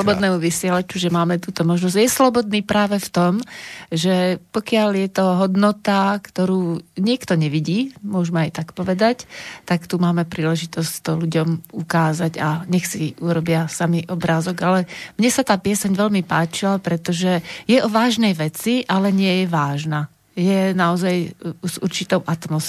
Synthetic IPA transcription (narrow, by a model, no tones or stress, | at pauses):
lɔbɔd̪nɛːmuʋisɪɛlat͡ʃuʒɛmaːmɛt̪uːt̪ɔmɔʒnɔzjɛslɔbɔd̪niːpɾaːʋɛft̪ɔmʒɛpɔkɪaljɛt̪ɔɦɔd̪nɔt̪akt̪ɔɾuːɲɪɛkt̪ɔɲɛʋiɟiːmʊɔʒmɛajt̪akpɔʋɛd̪act̪akt̪umaːmɛpɾiːlɛʒit̪ɔsct̪ɔluɟɔmukaːzaɟaɲɛxsiuɾɔbɪasamiʔɔbɾaːzɔɡalɛmɲɛsat̪aːpɪɛsɛɲʋɛʎmipaːt͡ʃilapɾɛt̪ɔʒɛjɛʔɔʋaːʒnɛjʋɛt͡siʔalɛɲɪɛjɛʋaːʒna | jɛnaɔzajuz̥ṵɾt͡ʃit̪ɔʊʔat̪mɔs